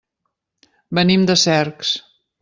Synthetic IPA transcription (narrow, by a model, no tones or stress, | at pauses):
bənimd̪əsɛɾks